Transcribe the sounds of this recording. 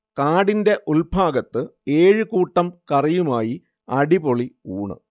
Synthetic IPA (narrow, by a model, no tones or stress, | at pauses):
kaːɽinde̞ʔulbʱaːɡɐt̪ːɨe̞ːɻɨkuːʈːɐmkɐrijumaːji | ɐɽipoɭiuːɳɨ̰